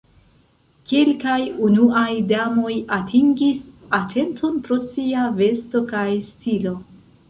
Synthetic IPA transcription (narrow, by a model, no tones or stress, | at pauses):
kelkajunuajdamo̞jatʰiŋɡisatʰe̞ntʰo̞npɾo̞siave̞sto̞kajstilo̞